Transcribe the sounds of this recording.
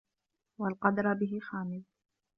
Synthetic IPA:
walqɑd̪ɾˤbɪɦɪxaːmɪð

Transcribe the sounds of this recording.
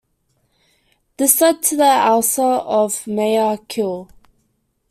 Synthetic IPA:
d̥ɪsəd̚tʰəðəalsəɔvmeəkʰɪlˠ

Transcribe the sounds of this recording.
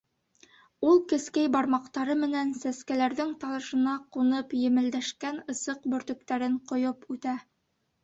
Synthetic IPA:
ulˠkɘ̆skæjbɑɾmɑqt̪ɑɾɤmɘ̆nænsæskælæɾðɘŋt̪ɑlˠɤ̆ʃɤ̆nɑqunɤpjɘ̆mɘ̆ld̪æʃkænɤ̆sɤq̚bɵ̆ɾt̪ɵ̆k̚t̪æɾɘɴqŏjopʉt̪æ

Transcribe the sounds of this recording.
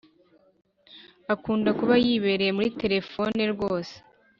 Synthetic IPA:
akuːndakuβajiβe̞ɾeemuɾite̞ɾe̞fo̞neɾɡo̞ːse̥

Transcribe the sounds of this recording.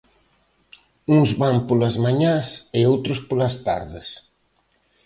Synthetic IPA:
uŋzβampolɐzmaɲãsɪowt̪ɾʊspolɐst̪a̰ɾðɪs

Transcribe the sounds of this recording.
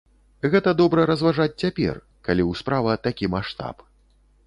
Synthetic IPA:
ɣɛt̪ɐd̪ɔbɾɐɾɐzvaʐat͡sʲt͡sʲapʲɛ̰r | kalʲiwspɾavɐt̪akʲimaʂt̪a̰p

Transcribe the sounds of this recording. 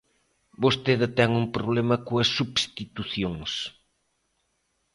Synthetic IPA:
bost̪eðɪt̪ɛŋumpɾoβlemɐkoɐsːuβst̪it̪uθjoŋs

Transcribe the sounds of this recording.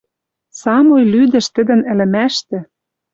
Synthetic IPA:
sɑmojlyd̪ɘ̆ʃt̪ɘ̆d̪ɘ̆nɘ̆lɘ̆mæʃt̪ɘ̆

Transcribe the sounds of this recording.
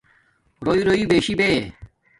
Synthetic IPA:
ɾoːiːɾoiːbeːɕibeː

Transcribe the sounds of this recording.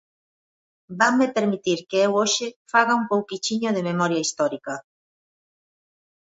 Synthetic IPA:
bamːepeɾmit̪iɾkeewoʃɪfaɣaumpowkit͡ʃiɲoðememɔɾjaist̪ɔɾikɐ

